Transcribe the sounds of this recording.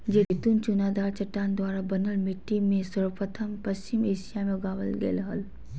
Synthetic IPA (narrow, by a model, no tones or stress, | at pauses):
d͡ʒedet̪unt͡ʃʊnaːd̪aːɾt͡ʃɐʈːaːnd̪waːɾabɐnəlmɪʈːimẽsɐɾpət̪ʰəmpɐst͡ʃɪmeːʃijamẽɡaːʋəlɡḛlɦɐl